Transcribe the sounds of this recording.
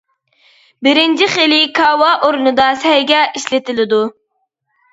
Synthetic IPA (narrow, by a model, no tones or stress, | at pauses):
bɪɾɪnt͡ʃʰiχilɪkʰɑːwɑʔoɾunɨd̪ɑsɛhɛɡʲɛʔiʃlɪt̪ɪlɪd̪u